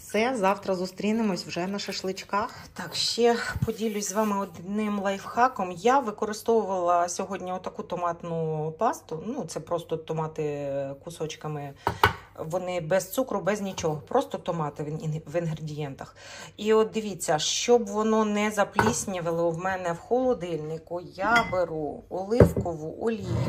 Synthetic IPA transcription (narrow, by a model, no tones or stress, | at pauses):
fsɛzɑwt̪ɾɐzʊst̪ɾʲinɪmɔsʲwʒɛnɐʃɐʃlˠɪt͡ʃkɑx | t̪ɑkʃt͡ʃɛpɔdʲilʲʊsʲzʋɑmɪɔd̪nɪmlˠɐjfxɑkɔmjaʋɪkɔɾɪst̪ɔʋʊʋɐlˠɐsʲɔɦɔdʲnʲiɔt̪ɐkut̪ɔmɑt̪nʊpɑst̪ʊnut̪sɛpɾɔst̪ɔt̪ɔmɑt̪ɪkʊsɔt͡ʃkɐmɪ | ʋɔnɪbɛst̪sukɾʊbɛznʲit͡ʃɔɦɔpɾɔst̪ɔt̪ɔmɑt̪ɪʋɪnɦɾedʲijɛnt̪ɐxiɔt̪̚d̪ɪʋʲit͡sʲːɐʃt͡ʃɔbʋɔnɔnɛzɐplʲisʲnʲiʋɪlˠɔwmɛnɛwxɔlˠɔd̪ɪlʲnɪkʊjabeɾuɔlˠɪwkɔʋʊʔɔlʲi